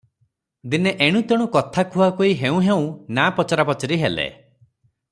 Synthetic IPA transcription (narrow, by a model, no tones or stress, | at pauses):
d̪ineʔeɽ̃ũt̪ɔɽ̃ukɔt̪ʰakʰuakoiɦeũɦeũnapɔt͡ʃɔɾapɔt͡ʃɔɾiɦelḛ